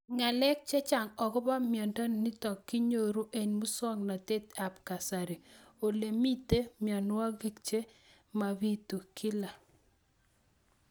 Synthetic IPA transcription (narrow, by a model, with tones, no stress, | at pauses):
ŋa˨lɛ˦k̚t͡ʃe˦t͡ʃa˨ŋɔ˨kɔ˦ba˦mjɔ˨ndɔ˦nni˦tɔ˨kːi˦ɲo˦ɾu˦ʔe˨nmu˦sɔ˦ŋna˨te˦ta˨pka˨sa˨ɾi˨o˨le˨mi˦te˦mja˨nʊ˦a˦ɡe˦k̚t͡ʃe˦ | ma˨βi˦tu˨kʰi˦la˨